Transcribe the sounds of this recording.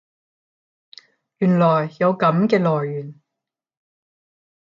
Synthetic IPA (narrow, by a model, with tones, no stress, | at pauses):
jyː˨˩nlɔː˨˩jːɐ˨˧wkɐ˨˥mkɛː˧lɔː˨˩jːyː˨˩n